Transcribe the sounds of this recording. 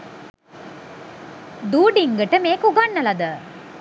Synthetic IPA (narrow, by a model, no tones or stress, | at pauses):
d̪uːɖiŋɡəʈəmeːkuɡaɳːɐlɐd̪ə